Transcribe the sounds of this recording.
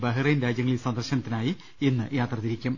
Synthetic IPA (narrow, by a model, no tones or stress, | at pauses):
bɐɦirɐjinɾaːd͡ʑjɐŋːɐɭilsɐnd̪ɐrɕɐnɐt̪ːinaːji | enːɨjaːt̪rɐðiɾikʲːum